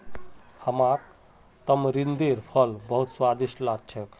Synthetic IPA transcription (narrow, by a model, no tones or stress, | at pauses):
həmaɾ | t̪əmɾind̪eɾpʰəlbəɦut̪swad̪isʈlat͡ʃʰək